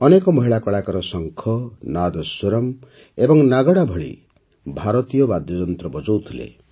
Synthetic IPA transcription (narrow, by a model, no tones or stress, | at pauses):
ɔnekɔmɔɦiɭakɔɭakɔɾɔsɔŋkʰɔnad̪ɔswoɾɔm | ebɔŋnaɡɔɽabʱɔɭḭ | bʱaɾɔt̪ijɔbad̪jɔd͡ʒɔnt̪ɾɔbɔd͡ʒɔwt̪ʰilḛ